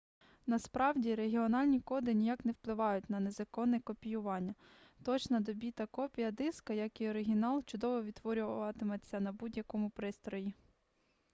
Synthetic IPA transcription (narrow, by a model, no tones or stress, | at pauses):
nɐspɾɑwdʲiɾeɦʲiɔnɑlʲnʲikɔd̪ɪnʲijɑknɛwplˠɪʋɑjʊt̚ʲnɐnezɐkɔnːɛkɔpʲijʊʋɑnʲːɐ | t̪ɔt͡ʃnɐd̪ɔbʲit̪ɐkɔpʲijɐd̪ɪskɐjɐkiɔɾɪɦʲinɑlˠt͡ʃʊd̪ɔʋɔʋʲid̪ːʋɔɾʲʊʋʋɐt̪ɪmet͡sʲːɐnɐbudʲjɐkɔmʊpɾɪst̪ɾɔji